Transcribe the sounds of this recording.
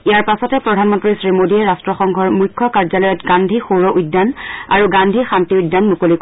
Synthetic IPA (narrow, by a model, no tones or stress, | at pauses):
ijaɹpasɔtɛpɹɔdʱanmɔntɹisɹimodiɛɹastɹɔxɔŋɡʱɔɹmujkʰːɔkaɹzalɔjɔtɡandʱixoɹɔʔudːana̰ɹuɡandʱixantiujdːanmukolik